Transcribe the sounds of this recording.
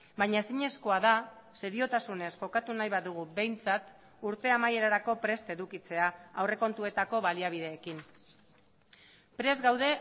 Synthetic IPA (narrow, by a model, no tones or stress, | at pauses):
baɲaesiɲe̞sko̞aðase̞ɾio̞t̪asune̞sʝo̞kat̪unajβaðuɣ̞ube̞jnt͡sat̪ | uɾt̪e̞amaje̞ɾaɾako̞pɾe̞st̪e̞ðukit͡se̞aawre̞ko̞nt̪ue̞t̪ako̞βaliaβ̞ið̞e̞ːkin | pɾe̞zɡawðe̞